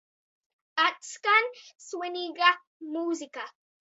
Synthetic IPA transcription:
at͡skanswɪniɢa | muːzɪka

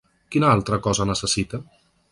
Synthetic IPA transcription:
kinəalˠt̪ɾəkɔzənəsəsit̪ə

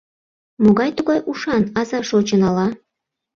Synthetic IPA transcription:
moɣɑjt̪uɣɑjʔuʃɑnɑzɑʃot͡ɕə̆nɑlɑ

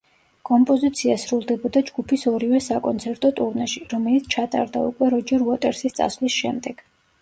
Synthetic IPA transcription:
kʼɔmpʼɔzit̪sʰiasɾulˠd̪ɛbɔd̪ad͡ʒɡupʰisɔɾivɛsakʼɔnt̪sʰɛɾt̪ʼɔt̪ʼuɾnaʃiɾɔmɛlit̪sʰt͡ʃʰat̪ʼa̰ɾd̪a̰ṵkʼwɛɾɔd͡ʒɛɾuat̪ʼɛɾsist̪sʼa̰svlisʃɛ̰md̪ɛɡ̥

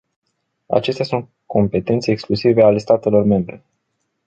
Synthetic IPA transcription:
a̰t͡ʃe̞st̪ejasunt̪̚ | kʰo̞mpe̞t̪e̞nt̪se̞ːksklusiveale̞st̪at̪e̞lo̞rme̞mbɾe̞

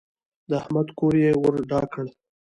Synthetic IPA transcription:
d̪əahmad̪koɾjewəɾɖɑkəɽ

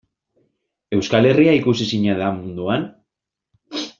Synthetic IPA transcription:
e̞wskale̞riaikusisiɲaðamund̪uan

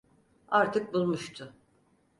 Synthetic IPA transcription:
aɾt̪ʰɯk̚bulˠmuʃt̪ʰʊ

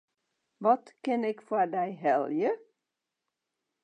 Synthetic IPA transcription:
ʋɔtkɪnɪkfwadɛjɦɛlˠjə

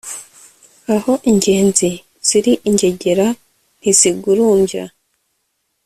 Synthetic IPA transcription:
aho̞ʔiɲɟe̞ːnzi | z̥iɾiʔiɲɟe̞ɟe̞ɾa | n̥iziɡuɾuːmɟa̰

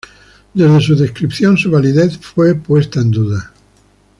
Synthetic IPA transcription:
d̪e̞zðe̞suðe̞skɾipθjonsuβaliðeθfwe̞pwe̞st̪aend̪uða

